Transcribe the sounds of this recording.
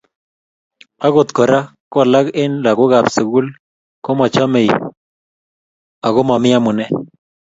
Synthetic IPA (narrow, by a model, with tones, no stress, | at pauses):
a˦ɣo˨t̪kɔ˨ɾa˦kɔ˦˨la˦ɡɪ˦nla˨ko˦ɡa˨pse˨ɡu˦l | kɔ˦mɔ˨t͡ʃɔ˦me˨j | a˨ɡʊ˦mɔ˨mɪ˦a˦mʊ˨nɛ˦